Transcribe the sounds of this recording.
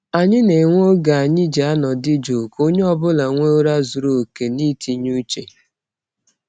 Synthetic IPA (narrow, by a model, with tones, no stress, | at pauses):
a˨ɲɪ˦ne˨ŋʷ˦o˦ɡa˨a˨ɲɪ˦d͡ʒa˦nɔ˨dɪ˦d͡ʒo˨ko˦ɲe˦ɔ˦bʊ˦la˨ŋʷe˦o˦ɾa˦zu˨ɾo˨ke˨ni˦tʰi˨ɲu˦t͡ʃe˨